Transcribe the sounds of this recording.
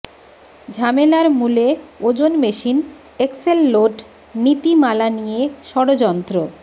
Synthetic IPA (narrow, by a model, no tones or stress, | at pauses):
d͡ʑʱamelaɾmuleod͡ʑonmeʃin | ekselːoʈ | nit̪imalanijeʃɔɽod͡ʑɔnt̪ɾo